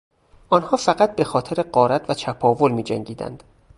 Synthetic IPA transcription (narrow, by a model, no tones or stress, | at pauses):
ʔɒːnhɒːfæɣæt̪̚be̞xɒːt̪ʰe̞ɾeɢɒːɾæt̪ʰvæt͡ʃʰæpʰɒːvolmiːd͡ʒæ̰ŋɟiːd̪æ̰nd̪̥